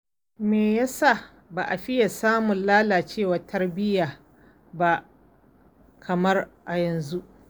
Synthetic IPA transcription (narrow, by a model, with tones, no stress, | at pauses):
meː˨jaː˦sa˦˨ | baː˨ʔa˨ɸɪ˦ja˨saː˦mʊ˨nlaː˦laː˨t͡ʃeː˦˨waː˨tʰɐ˦rbɪ˦jaː˨ | ba˦ʔ | kʰɐ˨mɐ˦rʔa˨jɐ˨nzu˦ʔ